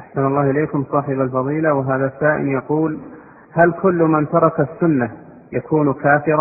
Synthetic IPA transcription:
ʔaħsanɑlˤːɑːhɪleːkʊmsˤɑːħɪbalfɑðˤiːlawɪɦaːðasaːʔɪ̰njɑquːl | halkʰʊlːmant̪ɑɾˤɑkasːʊnːa | jakʰuːnkaːfɪɾˤɑ

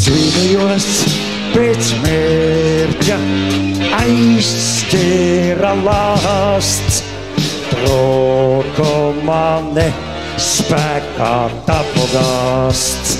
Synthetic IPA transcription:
sinujuɔs | peːt̪smeɾtʲa | ajskʲeɾalˠast̪s | t̪ɾɔkɔmanɛ | spækat̪apɔɡast̪

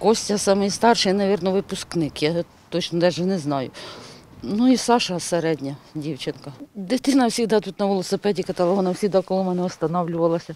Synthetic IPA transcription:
kɔsʲtʲɐsɑmɪjst̪ɑrʃɪjnɐʋʲirnɔʋɪpʊsknɪkjɑ | t̪ɔt͡ʃnɔt̪ɛʒɛnɛznɑjʊ | nuisɑʃɐseɾɛdʲnʲɐdʲiwt͡ʃɪnkɐd̪ɪt̪ɪnɐwsʲiɣd̪ɑt̪ut̪nɐʋɛlˠɔsepɛdʲikɐt̪ɐlˠɦɔnɐwsʲid̪ɑkɔlˠɔmɛnɛɔst̪ɐnɔwlʲʊʋɐlˠɐsʲɐ

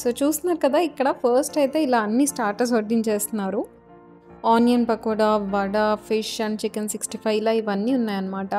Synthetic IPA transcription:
soːt͡ʃuːst̪unːaːɾukɐd̪aːikːɐɽɐpʰɐɾsʈɐjt̪e̞ːilaːɐnːisʈaːɾʈɐs̬oɾd̪iɲt͡ʃeːst̪unːaːɾu | aːnijɐnpɐkɔːɽɐʋɐɽɐpʰiʂɐnt͡ʃikɐnsiksʈipʰɐjʋlaːiʋɐnːiːunːaːjɐnːɐmaːʈɐ

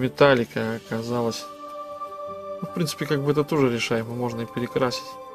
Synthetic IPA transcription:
mʲɪt̪alʲɪkəɐkɐzalˠəsʲ | nufpɾʲinsɨ̥pʲɪkaɡ̚bɨɛt̪ət̪o̞ʐɨɾʲɪʂajɪmɨmo̞ʐnəipʲɪɾʲɪkɾasʲɪ̥tʲ

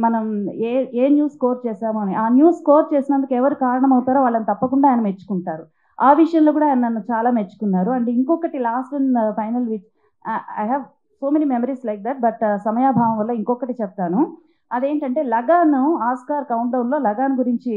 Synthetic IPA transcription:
mɐnɐmeeːnjuːskoːɾt͡ʃeːsaːmuɐniʔaːnjuːskoːɾt͡ʃe̞ːsinɐnd̪ukɛʋɐɾikaːɾɐɳɐmɐwt̪aːɾoːʋaːɭːɐnit̪ɐpːɐkuɳɖaːjɐnɐmet͡ʃːu̥kuɳʈaːɾu | aːʋiʂɐjɐnlo̞ːk̬uːɽaːjnɐnɐnːut͡ʃaːlaːmet͡ʃːu̥kunːaːɾuɐɳʈeiŋkɔkːɐʈilaːsʈʋɐnpʰɐjnɐlʋit͡ʃ | ɐ̰jɦɛːʋ | so̞ːmeniːmemɐɾiːslɐjk̚d̪ɐʈ̚bɐʈsɐmɐjaːbʱaːʋɐmʋɐlːɐiŋkɔkːɐʈit͡ʃɛp̚t̪aːnu | ɐd̪e̞ːɳʈɐɳʈe̞ːlɐɡaːnuaːskaːɾkɐwuɳʈlɐwnlo̞ːlɐɡaːnuɡuɾiɲt͡ʃi

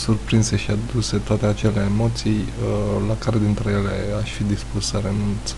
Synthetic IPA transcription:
surpɾinse̞ʃiad̪use̞t̪oat̪e̞at͡ʃe̞le̞ːmo̞t̪sijlakaɾe̞d̪int̪ɾe̞je̞le̞aʃfid̪ispusːəɾe̞nunt̪se̥

